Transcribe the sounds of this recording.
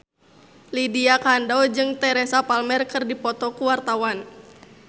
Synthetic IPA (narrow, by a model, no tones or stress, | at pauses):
lidiakandad͡ʒɨŋt̪ɛɾɛsapalmɛrkɨrdipɔt̪ɔkuwart̪awan